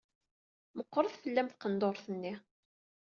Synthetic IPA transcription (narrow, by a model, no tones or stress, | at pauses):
məqːɾˤəðfəlːæmθqənd̪oɾˤθənːi